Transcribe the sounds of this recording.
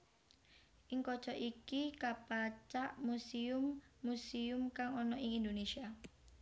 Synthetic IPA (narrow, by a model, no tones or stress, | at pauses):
ʔɪŋkɔ̥t͡ʃɔʔikikapat͡ʃaʔmusiʊmːusiʊmkaŋɔnɔʔɪŋind̪onesia